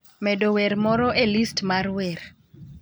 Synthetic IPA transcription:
mɛdowɛɾmɔɾɔʔelistmarwɛɾ

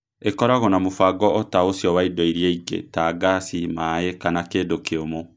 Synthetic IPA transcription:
ekɔɾaɣɔnamofaɡɔɔtaosjɔwaidɔiɾjeiɡḛtaɡasimaekanakeːdokeomo

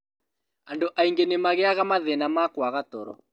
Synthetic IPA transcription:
andoʔaiŋɡenemaɣeaɣamaðɛnamakwaɣato̰ɾɔ̰

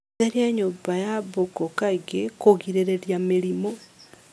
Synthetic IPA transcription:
eɾjeɲubajaβokokaɡekoɣiɾeɾeɾjamiɾimo

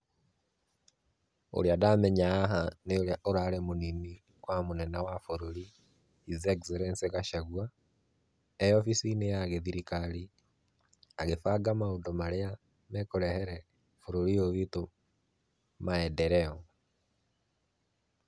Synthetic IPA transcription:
o̰ɾjadamɛɲaaɦaneoɾjaʔoɾaɾemonini | kwamonɛnawafoɾoɾiː | zɛkzeɾɛnseɣaʃaɣwa | ejɔfisinejaɣeðiɾikali | aɣefaɡamaodomaɾea | mɛkoɾɛhɛɾɛ | foɾoɾijoβito | maɛdɛɾɛɔ

